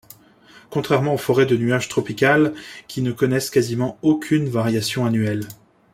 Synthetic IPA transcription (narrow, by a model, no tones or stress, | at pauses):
kɔ̃t̪χɛʁmɑ̃ofɔʁɛd̪ənyaʒt̪χɔpikʲalkʲinəkɔnɛskazimɑ̃okʲʰynvaʁjasjɔ̃anyɛl